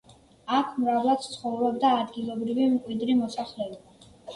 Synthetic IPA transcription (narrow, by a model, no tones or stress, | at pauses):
akʰmɾavlˠat̪t̪sʰχɔvɾɔbd̪aːd̪ɡilˠɔbɾivimkʼwid̪ɾimɔsaχlɛɔba